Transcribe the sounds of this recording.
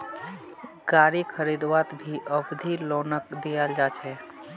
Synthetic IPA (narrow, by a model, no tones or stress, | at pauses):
ɡ̥aɾikʰəɾid̪ʋat̪bʱiʔəbd̪ʱilonəkd̪ijald͡ʒat͡ʃʰɛ